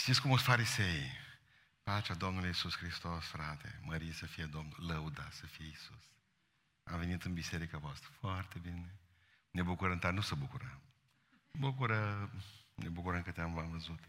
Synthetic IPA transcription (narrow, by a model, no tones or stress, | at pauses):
ʃt̪iskumosfaɾisej | pat͡ʃad̪omnulujisuskɾist̪osfɾat̪ḛməɾijesəfijed̪omnulləud̪asəfijeisus | a̰mve̞nit̪ɨnbiseɾikavoast̪ɾəfoart̪e̞bine | ne̞bukuɾəmt̪anusəbukuɾəm | bukuɾə | nʔebukuɾəŋkɨt̪eamvamvəzut̪